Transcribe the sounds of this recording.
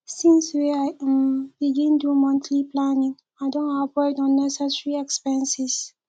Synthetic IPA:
sĩnsweaɪ̃mbiɡĩndumɔ̃ntʰliplanĩŋ | aɪdõnavɔɪdɔ̃nːɛsɛsɹiɛkspɛ̃nsis

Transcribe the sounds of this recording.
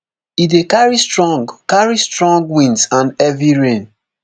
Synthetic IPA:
idekaɹistɹɔ̃ŋɡkaɹistɹɔ̃ŋɡwĩnsãndɛviɹẽn

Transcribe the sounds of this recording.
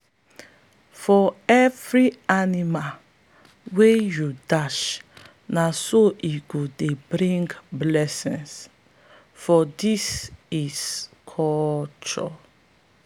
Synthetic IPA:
fɔɛvɹianima | wejudaʃ | nasoʔiɡudebɾĩŋɡblɛsḭ̃ns | fɔdisiskʰɔlt͡ʃɔ̰

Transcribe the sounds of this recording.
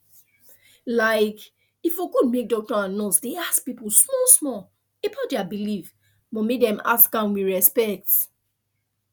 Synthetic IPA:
laɪk | ifokud̚mek̚dɔk̚tɔãnnɔsdeaspipusmɔsmɔ | epʰɔdɛabiliv | mɔ̃medɛ̃ma̰sɡãnwiɹɛspɛk̚t

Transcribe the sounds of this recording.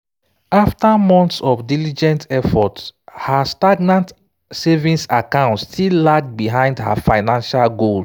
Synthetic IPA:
aftamɔ̃ntsɔfdilid͡ʒɛ̃ntɛfɔtshastaɡnãnt | sɛvĩnsakãʊ̃ntstʰillak̚t̚biɦãɪ̃ndha̰faɪnãnʃalɡol

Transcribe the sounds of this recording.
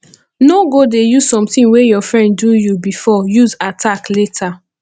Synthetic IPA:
noɡodejuz̥sɔ̃mtĩŋwejɔfɹɛ̃ndujubifɔjuzatʰakletʰa

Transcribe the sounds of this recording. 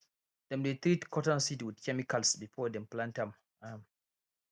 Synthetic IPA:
d̥ɛmdet̪ɾitkʰɔtɔ̃nsitwidkʰɛmikalsbifɔdɛ̃mplãntãm | am

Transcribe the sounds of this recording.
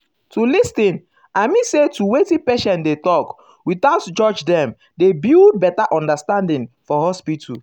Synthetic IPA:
tulistĩn | aɪmisetuwetipɛʃɛ̃ndetɔk | witaʊtd͡ʒɔd͡ʒdɛ̃m | debild̚bɛtaʔɔ̃ndastãndĩŋfɔhɔspitʰu

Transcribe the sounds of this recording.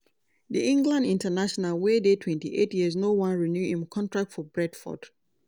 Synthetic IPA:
diʔĩŋɡlãndĩntənaʃɔnalwedetʰwɛ̃ntiʔetjiəz̬nowãnɹinjuʔĩmkʰɔ̃ntʰɹak̚tfɔbɹɛd̥fɔ̰d̥

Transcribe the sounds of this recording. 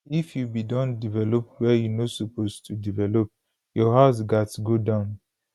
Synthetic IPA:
ifjubidɔ̃ndivɛlɔp̚wɛjunosopostʰudivɛlɔp̚ | jɔɦaʊs̬ɡatɡodãʊ̃n

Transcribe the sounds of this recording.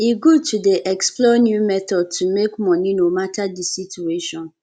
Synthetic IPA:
iɡutʰudeʔɛksplɔnjumɛtɔd̚tʰumekmɔ̃nĩnomatʰadisitueʃɔ̃n

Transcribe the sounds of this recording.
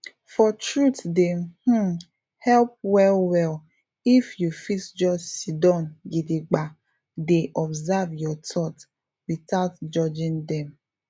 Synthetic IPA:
fɔtɹutdeh̩ | hɛlp̚wɛlwɛl | ifjufisd͡ʒɔd͡ʒsidɔ̃nɡidiɡ͡ba | deʔɔbzavjɔtʰɔt | witaʊtd͡ʒɔd͡ʒɪ̃ndɛ̃m

